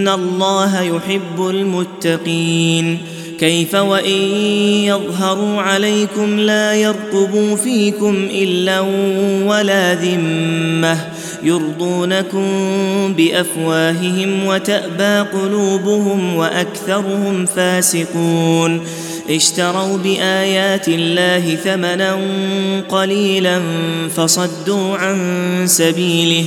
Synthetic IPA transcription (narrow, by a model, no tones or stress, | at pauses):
alˤːɑːɦajʊħɪbːʊlmʊt̪ːɑqiːn | kajfawaʔɪː | ɑðˤɦɑɾˤuːʕalajkʊmlaːjɑɾˤt̪ʊbuːfiːkʊmʔɪlːaːwalaːðɪmːah | jɑɾd̪ˤuːnakʊmbɪʔafwaːɦɪɦɪmwat̪aʔbaːqʊluːbʊhʊmwaʔakθɑɾˤʊhʊmfaːsɪquːn | ʔɪʃt̪ɑɾˤɑwbɪʔaːjaːt̪ɪlːaːɦɪθamananqɑliːlanfɑsˤɑd̪ːuːʕansabiːlɪh